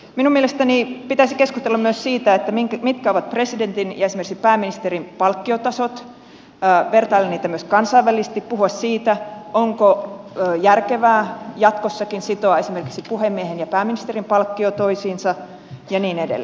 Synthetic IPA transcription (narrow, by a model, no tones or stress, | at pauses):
minumielest̪ænipit̪æisikeskust̪elːɑmyøssiːt̪æet̪ːæmikmit̪kæoʋɑt̪̚president̪injɑesimerksi̥pæːmːinist̪eɾimpɑlkːiot̪ɑsot̪ː | ʋert̪ɑilːeniːt̪æmyøskɑnsɑiʋːælisest̪ippːuhuɑssiːt̪æoŋkoː | jærkeʋæːjɑt̪kosːɑkinsit̪oɑesimerkiksipuhemːiehenjɑpæːminist̪erimpɑlkːiot̪o̞isiːnsɑ | jɑniːnedḛl̰ː